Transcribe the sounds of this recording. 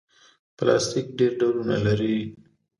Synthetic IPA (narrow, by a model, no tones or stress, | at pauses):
plɑ̰st̪ik̚ɖeɾɖawɾuna̰laɾi